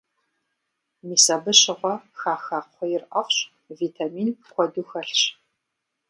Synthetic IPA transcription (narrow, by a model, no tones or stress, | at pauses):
miːsɐbɨɕɪʁʷɔxaːxaːqʷɔjɪrʔɐfɕ | viːtʰamiːnxʷɔduːxɐɬɕ